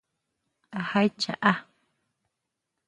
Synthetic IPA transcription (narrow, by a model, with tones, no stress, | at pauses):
ʔa˨ha˦jt͡ʃa̰˨ʔa˦